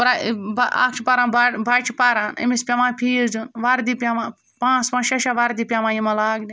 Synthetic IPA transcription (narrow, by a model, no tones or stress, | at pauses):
pɾabaa̰ːkt͡ʃʰipaːɾãːnbabat͡ʃʰipaːɾaːnɐ̰mispʲamãːpʰiːɾd͡ʒunʋaːɾd̪ipʲaːʋãː | pãːt͡spãːʃɐʃaʋaːɾd̪iːpʲjaːʋãːjimɐ̃laːɡnʲi